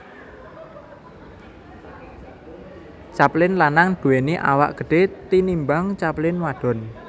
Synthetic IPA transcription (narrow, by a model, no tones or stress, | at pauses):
t͡ʃaplɪnlanaŋd̪̥uweniʔa̰wa̰ʔɡ̥ə̤ɖ̥et̪inimbaŋt͡ʃaplɪnwaɖ̥ɔ̤n